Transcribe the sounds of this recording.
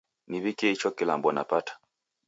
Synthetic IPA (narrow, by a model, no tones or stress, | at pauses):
niβikeit͡ʃokila̰ːmbɔna̰patḁ